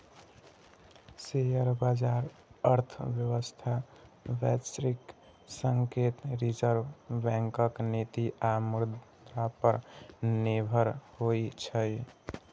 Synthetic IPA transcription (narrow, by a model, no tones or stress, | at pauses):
sejəɾbad͡ʒaɾ | əɾt̪ʰbjəwəst̪ʰabɛsɾik | səŋket̪ɾid͡ʒəɾbʱbɛ̃ŋkəknit̪iʔamuɾd̪ | ɾapəɾnibʱəɾhojt͡ʃʰəj